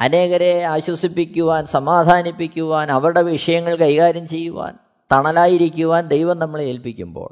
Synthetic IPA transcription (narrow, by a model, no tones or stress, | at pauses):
ɐne̞ːɣɐɾeaːɕwɐsipːikʲːuʋaːnsɐmaːd̪ʱaːnipːikʲːuʋaːnɐʋɐɾuɽe̞ʋiʂɐjɐŋːɐɭkɐjɣaːɾjɐmt͡ɕe̞jːuʋa̰ːn | t̪ɐɳɐlaːjiɾikʲːuʋaːnd̪ejʋɐmnɐmːɐɭelpikʲːumbo̰ːɭ